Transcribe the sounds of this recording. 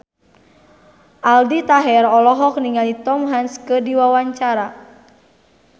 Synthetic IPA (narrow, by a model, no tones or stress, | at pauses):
ʔaldit̪aɦɛɾɔlɔɦɔk̚niŋalit̪ɔmɦanskədiwawaɲt͡ʃaɾa